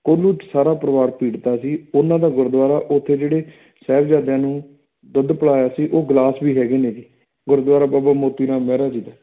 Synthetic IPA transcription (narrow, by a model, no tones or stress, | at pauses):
koːluːʈsaːɾaːpəɾəʋaːɾpiːɽt̪aːsiːʊnãːd̪aːɡʊɾd̪ʋaːɾaːʔʊt̪ʰːeːd͡ʒeːɽeː | sɛːbd͡ʒaːd̪jãːnũː | d̪əd̪pəɭaːjaːsiːʔoːɡlaːsbiːɦɛːɡeːneːd͡ʒiː | ɡʊɾd̪ʋaːɾaːbaːbaːmoːt̪iːɾãːmɛːɾaːd͡ʒiːd̪aː